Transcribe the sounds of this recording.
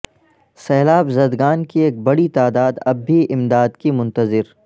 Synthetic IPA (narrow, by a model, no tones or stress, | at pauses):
sɛːlaːbzɐd̪ɡaːnkieːk̚bɐɽit̪aːd̪aːd̪ɐbːiʔɪmd̪aːd̪kimʊ̃nt̪əzɪɾ